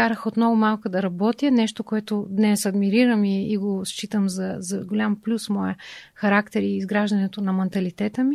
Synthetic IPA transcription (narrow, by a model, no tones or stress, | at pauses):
kaɾəxot̪nɔvʊmalˠkəd̪ɐɾɐbɔt̪ənɛʃt̪okoɛt̪od̪nɛsɐd̪miɾiɾəmiiɡost͡ʃit̪əmzɐzɐɡolʲamplʲusmɔjəxɐɾakt̪ɛɾiːzɡɾaʒd̪ɐnɛt̪onɐmɛnt̪ɐlit̪ɛt̪əmi